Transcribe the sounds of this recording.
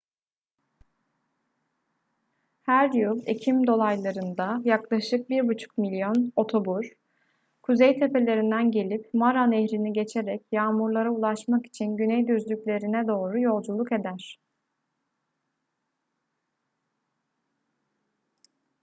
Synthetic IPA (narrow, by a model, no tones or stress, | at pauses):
hæɾjulˠecʰimd̪o̞lˠajlˠaɾɯnd̪ajaklˠaʃɯk̚biɾbut͡ʃʰu̥kmilʲjono̞t̪ʰo̞buɾ̥ | kʰuzejt̪ʰe̞pe̞lʲe̞ɾind̪ænɟe̞lʲipmaɾaneçɾiniɟe̞t͡ʃʰeɾɛcjaːmuɾlˠaɾaulˠaʃmaki̥t͡ʃʰinɟynɛjd̪yzlʲycʲlʲe̞ɾinɛd̪o̞ːɾujo̞lˠd͡ʒulˠuke̞d̪æɾ̝̥